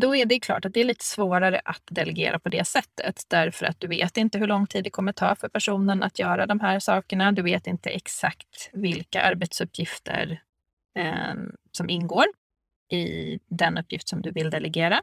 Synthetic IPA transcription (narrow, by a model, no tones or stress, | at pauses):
d̪ɔɛɖɛkʰlɑ̰ːʈat̪̚d̪ɛæɭiːt̪ʰə̥svoːɾaɾə̰ʔat̪d̪ɛlɛɡḛːɾʔapʰɔd̪ɛsɛt̪ʰːə̰t̪d̪æɾfœɾʔat̪̚d̪ɵvḛːt̪ɪnt̪əɦɵɭɔŋːt̪ʰiːd̪ːɛkʰɔmːət̪ʰɑ̰ːfœɾpʰæʂuːnəna̰t̪ʰjœːɾad̪ɔmɦæːɾsɑːkəɳad̪ɵveːt̪ɪnt̪ə̰ʔɛksakt̪vɪlkaʔaɾbɛt̪sɵpʰːjɪft̪ʰə̰ɾ | sɔmʔɪnːɡoːɾ | ɪd̪ɛnɵpːjɪft̪sɔmd̪ɵvɪld̪ɛlʔɛɡeːɾa